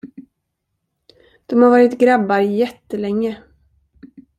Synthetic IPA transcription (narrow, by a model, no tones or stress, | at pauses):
d̪̥ɔmhaɾvɑːɾɪt̪ɡɾabːaɾjɛt̪ːəlɛŋːə